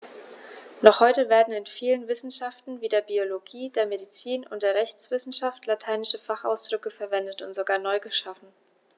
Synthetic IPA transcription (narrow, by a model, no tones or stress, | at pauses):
nɔχhɔʏtəveːɐdn̩ɪnfiːlənvɪsn̩ʃaftn̩viːdeːɐbioloɡiːdeːɐmeɾit͡siːnʊ̰ntd̥eːɐʁɛçt͡sv̥ɪsn̩ʃaftlatʰaɪnɪʃəfaχa̰ʊsd̥ʁʏkəfɛɐvɛndətʊntz̥oɡaːɐnɔʏɡəʃafn̩